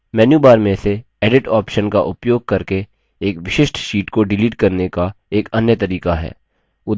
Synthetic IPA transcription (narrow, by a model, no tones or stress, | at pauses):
mɛːnjuːbaːɾmẽse | ɛːɖɪʈaːpʃənka̰ʔʊpjoːɡ̚kɐɾke | eːkʋɪʃɪʃʈʃiːʈkoɖɪliːʈkɐɾnekaeːkɐnjət̪ɐɾiːkaɦɛ̰ː | ʊ